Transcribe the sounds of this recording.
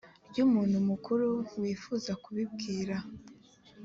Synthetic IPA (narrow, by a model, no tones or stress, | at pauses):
ɾɟumuːn̥humukʰuɾuwiːfuːzakuβib̚ɡiːɾa